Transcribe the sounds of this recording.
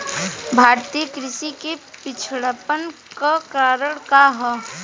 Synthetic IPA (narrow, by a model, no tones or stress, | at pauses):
bʱaːɾt̪ijəkɾɪʃikepɪt͡ʃʰɽəpən | kakaːɾəɽkaɦɛ